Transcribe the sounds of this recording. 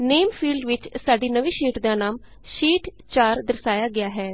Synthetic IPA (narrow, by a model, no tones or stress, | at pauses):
neːmpʰiːlɖʋɪt͡ʃsaːɖiːnəʋiːʃiːʈd̪ãːnaːm | ʃiːʈ | t͡ʃaːɾd̪əɾsaːjaːɡɪaːɦɛː